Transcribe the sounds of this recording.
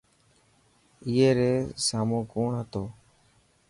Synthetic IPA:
ɪːeːɾeːsaːmũːkoːɳɦət̪oː

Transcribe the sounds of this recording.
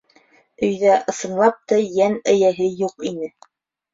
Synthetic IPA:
ɵ̆jðæʔɤ̆sɤ̆ɴlˠɑp̚t̪ɑjænæjæɦɘjuqinɘ

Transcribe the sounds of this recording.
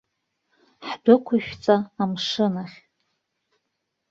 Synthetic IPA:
ħdʊkʷʰʊʃᶣt͡sʼaːmʂɨnaχʲ

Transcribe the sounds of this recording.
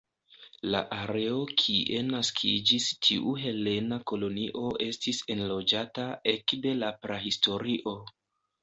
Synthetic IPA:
la̰ʔaɾe̞o̞kʰiʔe̞naskʰid͡ʒistʰiʔuɦe̞le̞nako̞lo̞niʔo̞ʔe̞stise̞nlo̞d͡ʒatae̞kde̞lapɾehisto̞ɾiʔo̞

